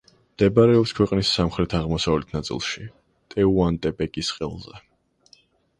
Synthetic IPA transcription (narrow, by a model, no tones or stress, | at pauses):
md̪̥ɛbaɾɛɔpskʰwɛqʼnisːamχɾɛt̪ʰaʁmɔsavlɛt̪ʰnat̪sʼḭlˠʃi | t̪ʼɛuant̪ʼɛpʼɛkʼisqʼɛ̰lˠzɛ